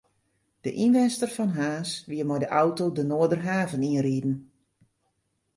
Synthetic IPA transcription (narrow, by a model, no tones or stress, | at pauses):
d̥əʔinʋɛnstərfɔnɦaːsʋiəmɔjdəʔɔwtodənoədərɦaːvəniənriːdn̩